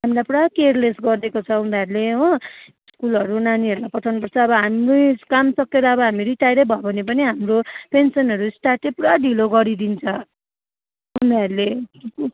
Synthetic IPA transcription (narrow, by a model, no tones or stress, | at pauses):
ɦamilajpuɽakerlesɡʌrd̪ekot͡sʰʌũnd̪aɾuleɦõ | skulʌɾunaniʌɾulajpʌtʰawnupʌrt͡sʰʌːbʌɦamrujkamsʌkeɾʌːβʌɦamiɾiʈajɾʌbʱʌobʱʌnepʌniɦamropensʌnʌɾusʈaʈepuɽaɖiloɡʌɾid̪int͡sʰʌ | uneʌɾule